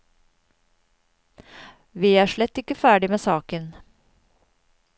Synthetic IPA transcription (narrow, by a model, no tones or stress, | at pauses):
ʋiːæːʂɭɛt̪ːɪkːəfæːɖɪmeːsɑːkən